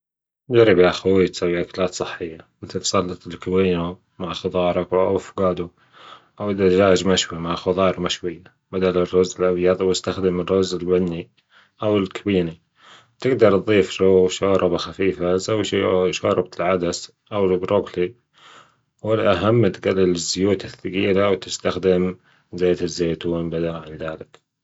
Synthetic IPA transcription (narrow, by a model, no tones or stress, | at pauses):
d͡ʒaɾibiaxawit̪sawːiʔakalaːt̪sˤɨħːɪjːamɪt̪alt̪sˤɑlːɑt̪ˤɪlkawiːna | maʕxʊðˤɑːɾˤɑkwʔafɡaːd̪u | ʔawɪd̪ad͡ʒaːd͡ʒmaʃwimaʕxʊðˤɑːɾˤmaʃwɪjːa | bad̪alɪrːʊzɪlʔabjɑðˤwɪst̪axd̪ɪmɪrːʊzɪlbanːi | ʔawɪlkʰabiːni | t̪ɪɡd̪ɑɾˤt̪ðˤiːfɾawʃaːɾˤɑbaxafiːfazawːʃiːʃɑːɾˤɑb̚lʕad̪as | ʔawɪlbɾokli | wɪlʔaɦamːt̪ɡalːɪlɪzːʊjuːt̪ɪθːaɡiːlawt̪ɪ̥st̪axd̪ɪm | zaːt̪ɪzːeːt̪uːnbad̪alʕɪnðaːlɪk